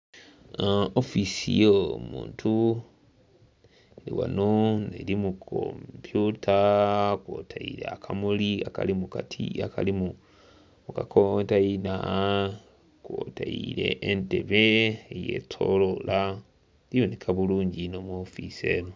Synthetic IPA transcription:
ofisijomṵːntʰu | lḭwanonelimukʰo̰mpjutʰakwotʰaiɾeakʰamuliaka̰limukatʰiakalimu | mukakʰontaina | kwotaiɾe̞ʔːnteβeejetʰo̞̰lola | lijonekʰaβuluːɲɟinomuofise̞no

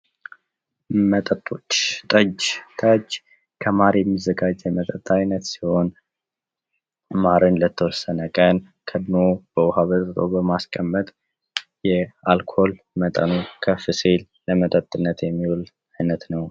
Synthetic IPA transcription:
mət̪ʼət̪ʼːot͡ʃːt̪ʼəd͡ʒt̪ʰʼəd͡ʒ | kʰəmaɾjɛmːizəɡad͡ʒːɛmət̪ʼət̪ʼːajnət̪siho̞n | maɾɨnlət̪ʰːəwɔsːənəkʼən | kʰəd̪mob̥əwɦaβət̪t̪ʰʼobəmaskʼəmːət̪ʼ | jɛalkʰo̞l | mət̪ʼə̰nukʰəfɨselːəmət̪ʼət̪ʼːɨnːət̪jɛmːiwul | ajnət̪nəw

